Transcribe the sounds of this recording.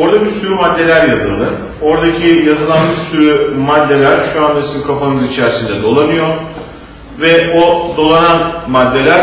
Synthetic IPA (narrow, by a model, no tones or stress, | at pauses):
o̞ɾd̪abiɾsyɾymad̪ːe̞lʲæɾjazɯlˠd̪ɯ | o̞ɾd̪acʰijazɯlˠanbiɾsyɾymad̪ːe̞lʲæɾʃuand̪asinkʰafanɯzit͡ʃʰæɾsind̪ɛd̪o̞lˠanɯjo̞ | vɛod̪o̞lˠananmad̪ːe̞lʲæɾ